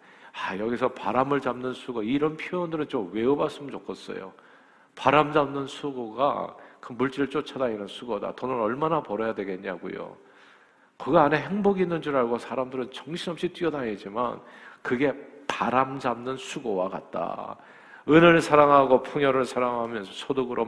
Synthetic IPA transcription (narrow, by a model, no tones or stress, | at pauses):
ajʌɡisʰʌpaɾamɯɭt͡ɕamnɯnsʰuɡoiːɾʌnpʰoondɯɾɯnt͡ɕomwe̞umaɭs͈ɯmɯnt͡ɕokʰʌs͈ʌ̰jo̰ | paɾamd͡ʑamnɯnsʰuɡoɡa̰kɯmuɭt͡ɕ͈iɾɯɭt͡ɕ͈ot͡ɕʰadainansʰuɡoda̰tʌnɯɾʌɭmanapʌɾʌjadwe̞ɡe̞ɲaɡṵjo̰ | kɯɡaːne̞ɦe̞ŋboɡinːɯnd͡ʑuɾaɭɡosʰaɾamdɯɾɯnt͡ɕʌŋɕʰiʌp̚ɕ͈ʰit͈ɥiʌdaɲed͡ʑima̰nkɯɡe̞paɾamd͡ʑamnɯnsʰuɡowaka̰t̚t͈a̰ | ɯnɯɭsʰaɾaŋɦaɡopʰoŋjʌɾɯɭsʰaɾaŋɦamjʌnsʰʌsʰodoɡɯɾʔo